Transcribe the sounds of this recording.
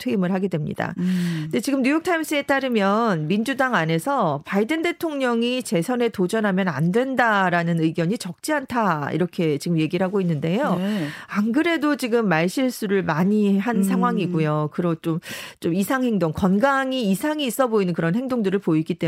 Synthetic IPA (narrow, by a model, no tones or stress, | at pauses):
tʰɯimɯɭhaɡe̞dwe̞mɲḭda̰nde̞t͡ɕiɡɯmɲjujʌk̚tʰaims͈ʰɯe̞t͈aɾɯmjʌnmind͡ʑudaŋane̞sʰʌpaidɯnde̞tʰoŋɲʌŋit͡ɕe̞sʰʌne̞tod͡ʑʌnɦamjʌna̰ndwe̞ndaɾanɯnɯiɡjʌɲit͡ɕʌk̚t͡ɕ͈iantʰaḭɾʌkʰe̞t͡ɕiɡɯmje̞ɡiɯɭɦaɡoinːɯnde̞joaŋɡɯɾe̞dot͡ɕiɡɯmːaɭɕ͈ʰiɭs͈uɾɯɭmaɲiɦans̬ʰaŋɦwaŋiɡujokɯɾʌt͡ɕ͈omt͡ɕ͈omisʰaŋhe̞ŋdoŋkʌnɡaŋiːsʰaŋiːs͈ʌboinɯnkɯɾʌnhe̞ŋdoŋdɯɾɯɭpoiɡit͈e